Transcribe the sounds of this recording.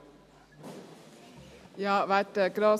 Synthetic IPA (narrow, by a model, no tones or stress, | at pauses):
jɑːʋæɪt̪əɡɾɑː